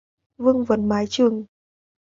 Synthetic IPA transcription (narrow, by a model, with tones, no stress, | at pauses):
vɨ˧əŋvə˨˩˦nmaː˨˦jt͡ɕɨ˨˩əŋ